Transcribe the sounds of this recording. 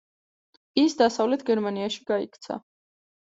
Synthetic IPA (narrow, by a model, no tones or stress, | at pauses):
isd̪asavlɛt̪ʰɡɛɾmaniaʃi̥ɡaḭkʰt̪sʰa̰